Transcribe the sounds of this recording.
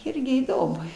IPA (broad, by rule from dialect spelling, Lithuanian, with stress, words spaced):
ˈɪrʲɡʲɪ iːˈdoːmʊ